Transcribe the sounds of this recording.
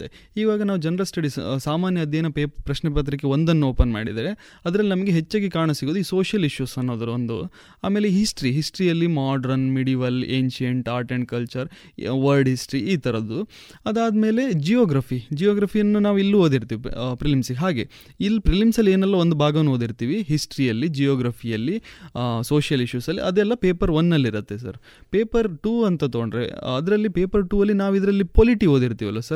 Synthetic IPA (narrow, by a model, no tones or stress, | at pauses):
t̪ːe | iːʋaːɡɐnaːʋud͡ʒɐnɐɾɐlsʈɐɽissaːmaːnjɐɐd̪jɐːnɐpeːpɾɐʃnɛpɐt̪̬ɾik̬ːeo̞nd̪ɐnːuoːpɐnma̰ːɽḭd̪ɾe | ɐd̪ɐɾɐlːinɐmɐɡe̞ɦet͡ʃːaːɡikaːɾɳɐsiɡoːd̪uiːso̞ːʃjɐliʃjusɐnːo̞ːd̪ɐɾuond̪ṵ | aːmeːleɦisʈɾiɦisʈɐɾijɐlːimaːɖɐɾɐnmeɽiʋɐleːnʃɐɳʈaːɾʈeɳ̚kɐlt͡ʃɐɾ | ʋɐlɖɦisʈɐɾiiːt̪ʰɐɾɐd̪u | ɐd̪aːd̪ɐme̞ːle̞d͡ʒijoːɡɾapʰid͡ʒijoːɡɾaːpʰijɐnːunaːʋilːuɦo̞ːd̪iɾt̪iːʋipɾilimsiɡeɦaːɡe̞ | ilːpɾilimsɐlːieːnɛlːɐo̞nd̪ubʱaːɡɐʋnːɦoːd̪iɾt̪iːʋiɦisʈɐɾijɐlːid͡ʒijoːɡɾaːpʰijɐlːisoːʂjɐliʃusɐlːḭʔɐd̪ɛlːɐpeːpɐɾʋɐnːɐlːiɾɐt̪ːe̞sɐ̰ɾ | peːpɐɾʈuːɐnt̪ɐt̪ooɳɖɾḛɐd̪ɾɐlːipeːpɐɾʈuːɐlːinaːʋid̪ɐɾɐlːipoːliʈiɦo̞ːd̪iɾt̪iːʋɐlːɐsɐɾ